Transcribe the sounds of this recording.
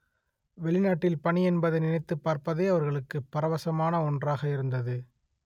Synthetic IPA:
ʋɛɭɪnaːʈːɪlpɐɳiɛnbɐðɐnɪnɐɪt̪ːɯpːaːɾpɐðeːɐʋɐɾɣɐɭɯkːɯpːɐɾɐʋɐsɐmaːnɐɔndraːɣɐɪɾɯnd̪ɐðɯ

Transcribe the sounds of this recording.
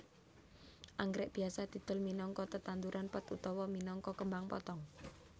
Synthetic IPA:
ʔaŋɡɾɛʔb̥iasat̪it̪ʊ̤lminɔŋkɔt̪ət̪ant̪uɾʔanpət̪ṵt̪ɔwɔminɔŋkɔkəmbaŋpɔ̰t̪ɔŋ

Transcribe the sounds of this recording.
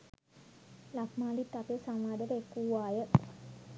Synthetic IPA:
lakʰmaːlit̪ːapesamʋaːd̪əɾekːuːaːjə

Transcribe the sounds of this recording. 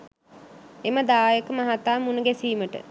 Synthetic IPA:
eməd̪aːjəkəmaɦat̪aːmunəɡæsiːməʈə̰

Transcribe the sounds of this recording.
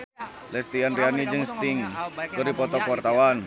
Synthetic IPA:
lɛst̪ianrianid͡ʒɨŋst̪ɪŋkəɾipɔt̪ɔkwart̪awan

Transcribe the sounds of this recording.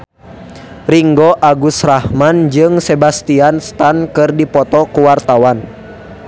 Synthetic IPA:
riŋɡɔʔaɡusrahmand͡ʒɨŋsɛbast̪ianst̪ankɨrdipɔt̪ɔkuwart̪awan

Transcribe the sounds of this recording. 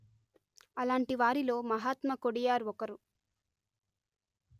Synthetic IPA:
ɐlaːɳʈiʋaːɾilo̞ːmɐɦaːt̪mɐkoɽijaːɾuɔkɐɾu

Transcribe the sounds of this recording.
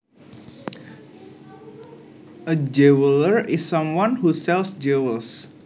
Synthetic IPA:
ʔəd͡ʒɛwələɹisːʌ̃mwɔ̃nhusɛlsd͡ʒɛwəls

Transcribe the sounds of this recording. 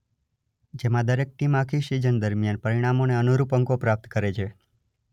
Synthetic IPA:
d͡ʒemãd̪əɾek̚ʈimakʰiʃid͡ʒənd̪əɾmjanpəɾiɽ̃amoneənuɾupəŋkopɾap̚t̪kəɾet͡ʃʰe

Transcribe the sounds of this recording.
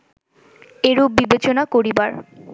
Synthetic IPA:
eɾubibet͡ɕonakoɾibaɾ

